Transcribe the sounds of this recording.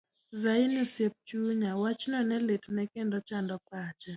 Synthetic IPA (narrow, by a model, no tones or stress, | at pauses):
zainusjep̚t͡ʃuɲawat͡ʃnɔnɛletnɛkendɔt͡ʃandɔpat͡ʃa